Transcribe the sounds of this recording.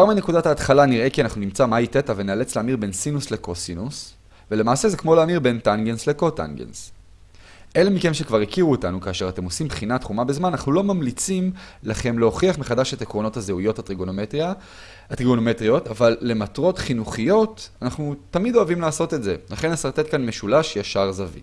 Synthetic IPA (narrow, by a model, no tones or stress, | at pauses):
aʁmine̞kudataːt̪χalaniʁe̞kianaχnunimt͡samaitetaveneale̞t͡sleamiʁbe̞nsinusle̞kosinus | vele̞maːse̞zekmo̞leamiʁbe̞ntanɡensleko̞ta̰nɡḛns | ʔe̞lemike̞mʃe̞kvaʁikiʁuotanukaːʃe̞ʁat̪e̞mo̞simbχinatχumabezmananaχnulo̞mamlit͡simlaχe̞mleoχiaχmeχadaʃe̞taekʁo̞no̞thazeujo̞thatʁiɡoo | atʁiɡonometʁijo̞tavalːe̞matʁo̞tχinuχijo̞tanaχnutamido̞avimlaːso̞te̞tze̞laχe̞nasaʁt̪et̚kanme̞ʃulaʃjaʃaʁzavḭ